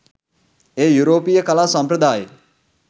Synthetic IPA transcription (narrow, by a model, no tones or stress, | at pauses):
eːjuɾoːpijəkɐlaːsɐmpɾəd̪aːjə